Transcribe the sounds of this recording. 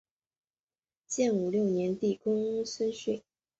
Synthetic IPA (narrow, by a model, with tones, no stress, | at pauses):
t͡ɕjɛ˥˩nu˨˩ljo˥˩ʊnjɛ˧˥nt̪i˥˩kʊ˥ŋu˥sə˥nɕwe˥˩ɪ